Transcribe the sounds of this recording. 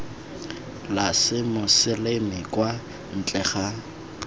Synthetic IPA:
lasɪmʊsɪlemɪkʼwa | n̩t͡ɬʼɛχa

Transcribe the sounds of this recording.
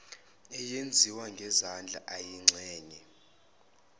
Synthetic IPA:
ɛjend͡zʱiwaŋɡʱɛzand͡ɮʱa̰ʔajiŋ͡ǀʱɛːɲɛ

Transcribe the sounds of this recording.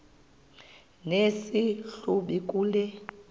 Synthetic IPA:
nesiɬuɓik̬ʼuːlɛ

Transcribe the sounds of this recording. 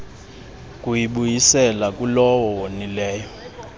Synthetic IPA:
kʼujiɓujisɛlakʼulɔwɔwonilɛːjɔ

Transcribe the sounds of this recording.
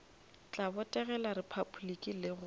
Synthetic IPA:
t͡ɬʼabʊtʼɛɣɛlaɾɪpʰabulikʼilɪɣʊ

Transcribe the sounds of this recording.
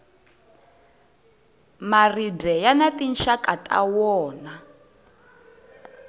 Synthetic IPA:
maridɛjanatinʃakʼatʼa̰wɔːna

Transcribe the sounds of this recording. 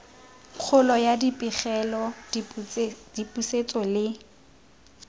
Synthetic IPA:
q͡χʰʊlɔjadipʼiχɛlɔ | dipʼuset͡sʼɔlɪ

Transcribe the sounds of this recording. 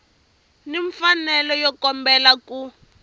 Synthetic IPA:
niɱfanɛlɔjɔkɔmbɛlaku

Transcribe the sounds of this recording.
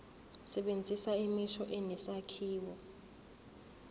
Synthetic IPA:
sɛɓend͡zʱisaimiʃʰɔʔɛnɛsakʰiːwɔ

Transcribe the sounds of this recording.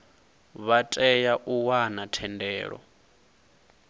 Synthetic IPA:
βatʼɛjaʔuwanatʰɛndɛːɺɔ̰

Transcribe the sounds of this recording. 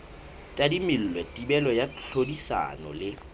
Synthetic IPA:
tʼadimil̩lwɛtʼibɛlɔjaɬodisa̰nɔ̰lɪ

